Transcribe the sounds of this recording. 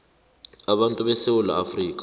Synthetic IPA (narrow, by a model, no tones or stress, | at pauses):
aɓantʼuɓɛsewula̰ːfriːkʼḁ